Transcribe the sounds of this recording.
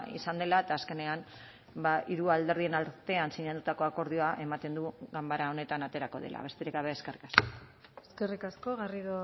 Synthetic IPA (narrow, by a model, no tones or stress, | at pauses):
ḭsand̪elaet̪aːske̞ne̞an | baiɾuald̪e̞ɾðie̞nalt̪e̞ansiɲat̪ut̪ako̞ako̞ɾð̞io̞aʔe̞mat̪e̞nd̪uɣambaɾao̞ne̞t̪anat̪e̞ɾako̞ðe̞̰la̰β̞e̞st̪eɾekaβe̞ːske̞rikaskoeskerikasko̞ɣariðo